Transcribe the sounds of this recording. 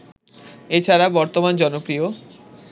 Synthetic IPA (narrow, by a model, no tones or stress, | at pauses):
et͡ɕʰaɾabɔɾt̪omand͡ʑɔnopɾio